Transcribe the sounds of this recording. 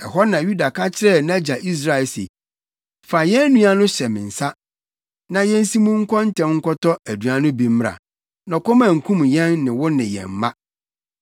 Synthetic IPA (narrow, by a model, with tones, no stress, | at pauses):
ɛ˨ɦɔ˦nã˨ju˦da˨kʰa˦t͡ɕʰɪ˦ɾɛ˦nã˦d͡ʑa˨ʔi˦s̬ɾa˦ɪ˨lse˨ | fa˨jɛ̃˦nũ˦a˦nʊ̃˦ɕɛ˨mɪ̰̃˨n̩˨sa˦ | nã˨jɛ̃˦n̩˦si˦mũ˦ŋ̩˦kʰɔ˦n̩˦tʰɛ̃˨mŋ̩˦kɔ˦tɔ˦æ˨du˨a˨nʊ̃˦bi˨m̩˦m˦ɾa̰˨ | nɔ̃˨kʰɔ˦mã˨ŋ̩˨kʰũ˦mjɛ̃˦nːɪ̃˨wʊ˦nɪ̃˨jɛ̰̃˨m̩˨mã˦